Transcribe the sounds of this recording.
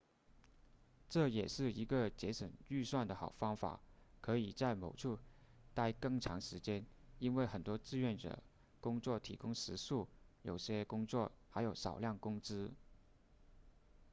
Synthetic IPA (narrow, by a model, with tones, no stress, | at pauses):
ʈ͡ʂɤ˥˩jɛ˨˩ʂɻ̩˥˩i˧˥ɡə˧t͡ɕjɛ˧˥ʂə˨˩ny˥˧swa˥˩nd̪ə˩xɑ̰˨˩ʊfɑ˥ŋfa̰˨˩˦kʰɤ˧˥i˨˩t͡sa˥˩ɪmo˨˩ʊʈ͡ʂʰu˥˩˧t̪a˥˧ɪkɤ˥˧ŋʈ͡ʂʰɑ˧˥ŋʂɻ̩˧˥t͡ɕjɛ˥ni˥nwe˥˩ɪxə˨˩nt̪wɔ˥t͡sɹ̩˥˧ɥɛ˥˩nʈ͡ʂɤ̰˨˩˦ | kʊ˥ŋt͡swɔ˥˩t̪ʰḭ˨˩kʊ˥ŋʂɻ̩˧˥ʂu˥˩jo˨˩ʊɕjɛ˥kʊ˥ŋt͡swɔ˥˩xa˧˥ɪjo˨˧˩ʊʂɑ̰˨˩ʊljɑ˥˩ŋkʊ˥ŋt͡sɹ̩˥